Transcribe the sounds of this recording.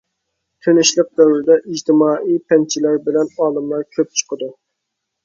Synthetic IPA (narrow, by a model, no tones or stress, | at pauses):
t̪ʰønɪʃlˠəq̚d̪ɛwɾɪd̪ɛʔid͡ʒt̪ʰɪmɑːʔijpʰɛnt͡ʃʰilæɾbɪlɛnɑːlˠɨmlˠɑɾkʲʰøp̚t͡ʃʰə̥qʰəd̪u